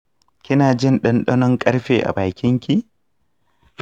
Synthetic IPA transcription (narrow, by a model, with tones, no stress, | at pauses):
kʲɪ˦naː˨d͡ʒɪ˦nɗɔ˦nɗɔ˦nɔ˦ŋkʼɐ˦ɾɸeː˨ʔa̰˨baː˨kʲɪ˦ŋkʲi˨